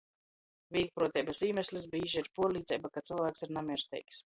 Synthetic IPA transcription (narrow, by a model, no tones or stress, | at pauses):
vʲiːk̚pɾuɔt̪ʲɛːbasiːmʲɛsʲlʲis̬bʲiːʒiiɾpuɔliːd̪zʲɛjbakat̪silˠvæːksiɾnamʲiɛɾst̪ʲɛ̰jkʲs